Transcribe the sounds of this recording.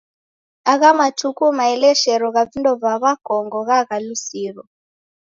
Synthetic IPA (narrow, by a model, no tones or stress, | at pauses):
aɣamatʰukumaɛlɛʃɛɾɔɣavindɔvaβakɔŋɡɔɣaɣalusiːrɔ